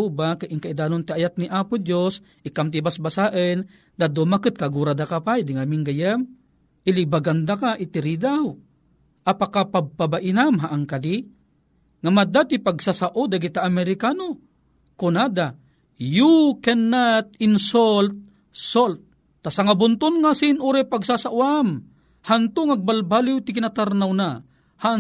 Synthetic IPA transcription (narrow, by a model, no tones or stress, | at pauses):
ubakaʔɪŋkaʔid̪aːnont̪iajat̪̚niʔaːpʊd̪jos | ʔɪkamt̪ibasbasaʔən | d̪ad̪omakɨt̪̚kaɡuɾad̪akapajd̪ɪŋamiŋɡajam | ʔɪlibaɡand̪akaʔit̪ɪɾid̪aw | ʔapakapaɡ̚pabaʔɪnamɦaʔaŋkadi | ŋamad̪at̪ɪpaɡsasaʔod̪aɡit̪aʔːmɛɾɪkano | konad̪a | jukɛnːat̪ɪnsolt̪̚ | solt̪̚ː | asaŋabʊnt̪ʊnŋasinʔuɾɛpaɡsasaʔwam | hant̪ʊŋaɡ̚balbalɪwt̪ɪkɪnat̪aɾnawna | haʔ